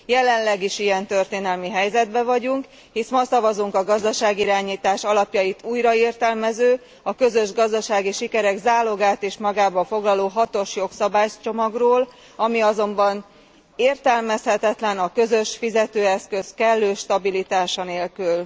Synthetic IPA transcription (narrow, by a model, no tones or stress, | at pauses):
jɛlɛnlɛɡiʃijɛnt̪ørt̪eːnɛlmiɦɛjzɛd̪bɛvɒɟuŋk | hismɒsɒvɒzuŋkɒɡɒzd̪ɒʃaːɡiɾaːɲiːt̪aːʃɒlɒpjɒjit̪uːjrɒeːrt̪ɛlmɛzøː | ɒkø̞zøʒɡɒzd̪ɒʃaːɡiʃikɛɾɛɡzaːlːo̞ɡaːt̪eːʃmɒɡaːbɒɱfo̞ɡlɒloːɦɒt̪o̞ʃjo̞ksɒbaːjt͡ʃo̞mɒɡroːl | ɒmiɒzo̞mbɒn | eːrt̪ɛlmɛshɛt̪ɛt̪lɛnɒkø̞zø̞ʃfizɛt̪øːɛskø̞skɛlːøːʃt̪ɒbilit̪aːʃɒneːlkyl